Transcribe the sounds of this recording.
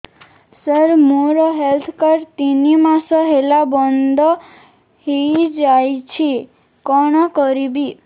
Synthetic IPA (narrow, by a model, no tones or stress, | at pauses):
səɾmuɾɔɦelt̪ʰkaɾt̪inimãsɔɦelabɔnd̪ɔ | hejd͡ʒajt͡ʃʰi | kɔɽ̃ɔkɔɾibi